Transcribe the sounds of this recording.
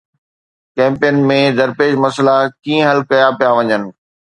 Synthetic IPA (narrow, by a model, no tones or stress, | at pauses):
kɛ̃ːmpejənmẽd̪ɐɾpeːʃmɐslakĩːə̃ɦɐlkɐjapijaʋɐɲənɪ̆